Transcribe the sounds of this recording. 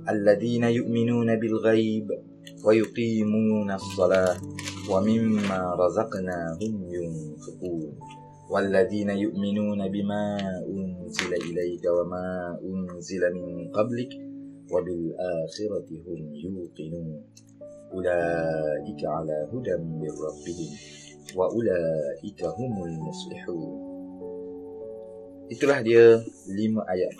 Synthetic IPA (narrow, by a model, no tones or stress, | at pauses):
ʔalːaðiːnajʊʔmɪnuːnabɪlɣajb | wajʊqiːmuːnasˤːɑlaːhwamɪmːaːɾˤɑzɑqnaːɦʊmjʊnfɪquːn | walːaðiːnajʊʔmɪnuːnabɪmaːʔʊnzɪlaʔɪlajkawamaːʔʊnzɪlamɪnqɑblɪk | wabɪlʔaːxɪɾɑɦʊmjuːq̪ɪnuːn | ʔʊlaːʔɪkaʕalaːɦʊd̪amːɪrˤːɑbːɪhɪm | waʔʊlaːʔɪkaɦʊmʊlmʊsˤlɪ̰ħuːn | ʔɪt̪ɾˤɑħljalɪmaʔaja